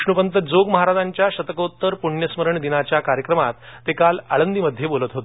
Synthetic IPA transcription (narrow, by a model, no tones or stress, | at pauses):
ʂɳupənt̪əd͡zoɡməɦaɾad͡zaɲt͡ɕjaɕət̪əkot̪ːəɾpuɳjəsməɾəɳd̪inat͡ɕjakaɾjəkɾəmat̪ːekalaɭənd̪iməd̪ʱːjebolət̪ɦot̪e